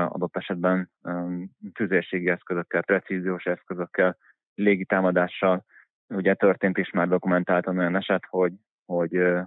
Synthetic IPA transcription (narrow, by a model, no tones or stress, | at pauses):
ɒ̰d̪o̞t̪ːɛʃɛd̪̚bɛn | t̪yzeːʃeːɡiɛskøzø̞kːɛlprɛt̪siːzijoːʃɛskøzø̞kːɛlː | eːɡit̪aːmɒd̪aːʃːɒl | uɟɛt̪ørt̪eːnt̪eːʃmaːrd̪o̞kumɛnt̪aːlt̪ɒnojɒnɛʃɛt̪ho̞ɟ | ho̞ɟ